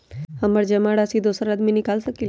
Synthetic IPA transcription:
həməɾd͡ʒəmaɽasid̪ʱosəɾad̪minikalsəkil

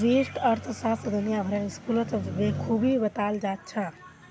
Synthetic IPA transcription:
d͡ʒisʈəɾt̪ʰsast̪d̪unijabʱəɾeniskulət̪bekʰubibət̪ald͡ʒat̪̚t͡ʃʰə

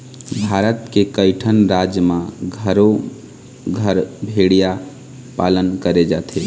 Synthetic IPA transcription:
bʱaɾət̪kekəɪʈʰənɾad͡ʒjəmãɡʱəɾo | ɡʱəɾbʱeɽija | palənkəɾed͡ʒat̪ʰe

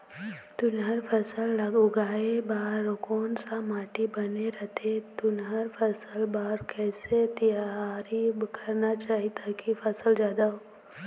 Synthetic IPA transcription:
t̪ʊnɦəɾfʰɐsəlːɐɡʊɡaːebaːɾkɔːnsamaːʈibɐneɾɐt̪ʰet̪ʊnɦəɾfʰəsəlbaːɾkɛːset̪ijaɾibkʰɐɾnat͡ʃaːɦit̪ʰakifʰɐsəld͡ʒjaːd̪aɦoː

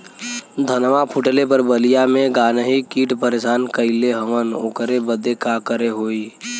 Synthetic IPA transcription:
d̪ʱənʋapʰʊʈlepəɾbəlijamẽɡaːnəɦikiːʈpəɾesaːnkəɪleɦəməno̰ːkəɾebəd̪ekakəɾeɦoːiː

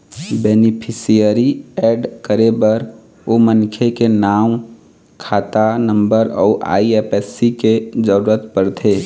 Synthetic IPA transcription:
bɛːnɪpʰɪsijəɾiɛːɖkəɾebɐɾ | omənkʰekenaːm | kʰaːt̪anə̃mbəɾɔːʔa̰ːiepɛsːiked͡ʒəɾuːɾət̪pəɾt̪ʰeː

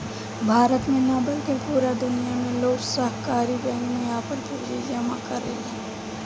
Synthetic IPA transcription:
bʱaːɾət̪mẽnabəlt̪ẽpuːɾad̪ʊnijamẽloːɡsəɦkaːɾibɛ̃ːŋkmẽaːpəɾpuːd͡ʒid͡ʒəmã̰kɐɾḛɛ̃

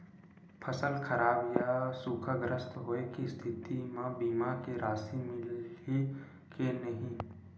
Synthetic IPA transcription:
pʰəsəlkʰəɾaːbjasuːkʰaɡɾəst̪ɦoːekist̪ʰɪt̪imãbiːmakeɾaːsimɪle | kenɐɦĩ

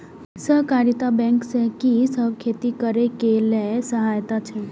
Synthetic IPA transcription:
səkaɾit̪abɛ̃ŋksɛkisəbkʰet̪ikəɾekelesəɦajt̪at͡ʃʰɛ

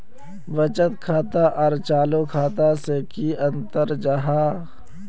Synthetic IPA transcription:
ʋət͡ʃət̪kʰaːt̪aʔɔːɾt͡ʃaːlokʰaːt̪asekiə̃nt̪əɾd͡ʒaɦaː

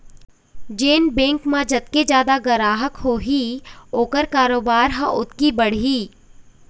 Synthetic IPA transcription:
d͡ʒeːnbẽːŋkmãd͡ʒɐt̪̚ked͡ʒjaːd̪aɡɐɾaːɦəkɦoːɦioːkəɾkaːɾoːbaːɾɦã̰ʔʊt̪kibɐɽ̤iː

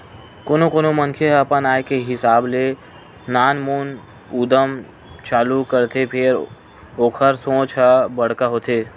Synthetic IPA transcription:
koːnokonomənkʰeɐpənaːekeɦɪsaːble | naːnmoːn | uːd̪əm | t͡ʃaːlukəɾt̪ʰepʰɪɾ | oːkʰəɾsõːt͡ʃʰəbəɽ̤kaɦoːt̪ʰeː

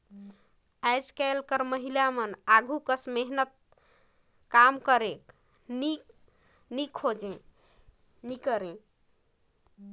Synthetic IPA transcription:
ajd͡ʒkɛlkəɾməɦilamənaɡʱukəsmeɦnət̪̚ | kamkəɾek | ni | nikʰod͡ʒẽ | nikəɾẽ

